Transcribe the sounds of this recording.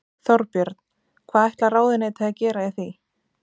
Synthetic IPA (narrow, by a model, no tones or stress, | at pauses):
θɔɾpjʏɾt̪n̥ | kʰvaːðɛjht̪laraːwðɪneːjt̪aθacɛːɾaɪθi